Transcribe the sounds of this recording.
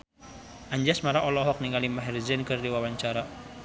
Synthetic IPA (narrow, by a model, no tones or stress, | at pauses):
ʔaɲd͡ʒasmaɾaʔɔlɔɦɔk̚niŋalimaɦɛrzɛnkɨrdiwawaɲt͡ʃaɾa